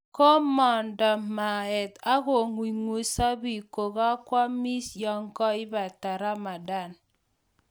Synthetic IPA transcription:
kɔ˦mɔ˨ndɔ˨ma˨ɛ˨ta˦ɣo˨ŋwi˨ŋu˨sa˦bi˨ko˨ɣɔ˦kwa˦mi˦sjɔ˦ŋkɔ˦ɪ˦ba˨ta˨ɾa˦ma˨da˦˨n

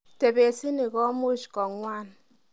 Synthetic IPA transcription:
te˨be˨si˦nɪ˨kɔ˦mu˦ʃkɔ˨ŋwʷa˦n

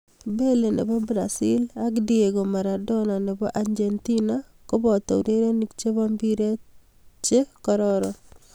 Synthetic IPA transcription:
be˦le˨nḛ˨bɔ˦bɾa̰˨si˦la˦kdie˨ɡo˨ma˨ɾa˨dɔ˦na˨nɛ˨bɔ˦ʔa˦ɲd͡ʒe˨nti˦na | ko˦bɔ˨tɔ̰˨uɾe˦ɾe˦nikt͡ʃe˦βa˦mbi˦ɾe˦ | t͡ʃe˦kɔ˦ɾɔɾɔ

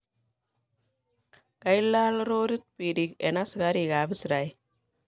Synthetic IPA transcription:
ka˦ilːa˦lɾoː˦ɾi˦t̪̚piɾike˨nasɡa˦ɾiɡa˨bi˦sɾa˨j

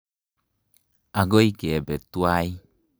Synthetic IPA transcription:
a˨ɡo˦ike˨bɛ˨t̪uai

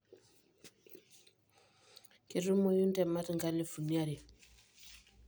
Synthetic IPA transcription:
keɾu˦mo˨ju˦nte˨matŋɡale˨fu˨niaɾi˨

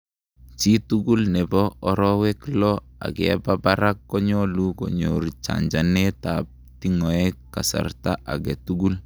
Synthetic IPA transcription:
t͡ʃi˦tu˦ɡu˦lnɛ˨bɔ˦ɔ˦ɾɔ˦we˦klɔ˦ | a̰˨ɡɛ̰˨ba˦baɾa˦kːɔ˦ɲɔ˦lu˦kɔ̰˨ɲo̰ɾt͡ʃa̰˨ɲd͡ʒa˨ne˦tap̚ | ti˦ŋɔ˨ɛ˦kːa̰˨sa̰˨rta˦ʔa˨ɡɛ˨tu˦ɡu˦l

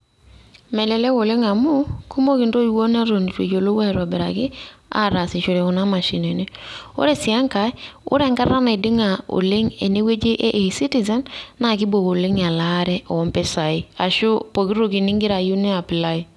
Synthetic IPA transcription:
mɛ˨lɛ˨lɛ˦ko˨le˦ŋa˨mu˦ku˦mo˦ki˨ndo˦i˨wo˦na˦ɾo˨n˨ɾwḛ˨d͡ʒo˨lo˦wa˦˨ɾa˨bɛ˨ɾa̰˨kɪ˦a̰˦˨ɾa˨si˨ʃo˨ɾe˨ɔ˨na˦ma˨ʃi˨ne˨ne˦o̰˦ɾɛ˨sɪ˨a˦ŋka˨˦ʊ̰˦ɾɛ˦˨ŋɡa˦ɾa˦ne˨dɪ˦ŋa˨o̰˨lɪ˦ŋe˨ne˦we˦d͡ʒe˦ʔe˦ʔsi˦ti˨za˦nːa˨ki˦bo˨ko˨lɪ˦ŋa˨la˨˦ɾɛ˦ʔɔ˨ɔ˨˦mpɛ˦sa˨i˦a˨ʃu˦po˨ki˦ɾo˦ki˨ni˦ŋɡɪ˦ɾa˨ju˦nɛ˦a˨pi˨la˦i˨

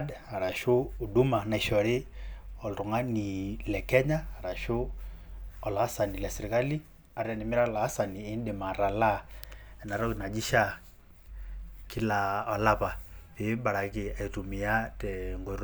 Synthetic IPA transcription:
da˨ɾa˨ʃʊː˦˨du˦ma˨na˨i˨ʃɔ˨ɾɪ˦ɔ˨ltʊ˨ŋa˦ni˨lɛ˨kɛ˦ɲaː˦˨ɾa˨ʃʊ˦ | ɔ˨la˨˦sa˨ni˨lɛ˨sɪ˨ɾɪ˨ka˦li˦ | a˨ɾa˨nɪ˨mɪ˦a˦˨la˨˦sa˨ni˨e˨˦ndɪ˨ma˨ɾa˨la˦ɛ˨na˨ɾɔ˦kna˨d͡ʒi˦ʃa˦ | kɪ˦la˨ɔ˨la˦pa˨pɪ˨˦ba˨ɾa˨kɪ˨a˨i˨tu˨mɪ˨ja˦tɛ˨ŋɡɔ˨ɾ

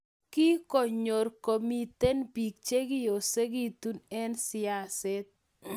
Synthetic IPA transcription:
ki˦ko˨ɲo˨ɾko˨mi˨t̪e˦npi˨k̚t͡ʃe˦ɡɪ˦jo˨se˦ɡi˦t̪u˦nɛ˦nsɪ˦a˨sɛ˦t̪̚

